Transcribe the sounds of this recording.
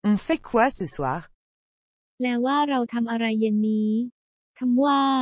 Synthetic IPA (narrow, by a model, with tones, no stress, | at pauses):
fe˥kʰwɛ˦sɨ˨˩swa̰˦˥ | lɛː˦˥waː˥˩ɾa˧wt̪ʰa˧mʔa˧ɾa˧jːɯ˧nːiː˦˥ | kʰa˧mwaː˥˩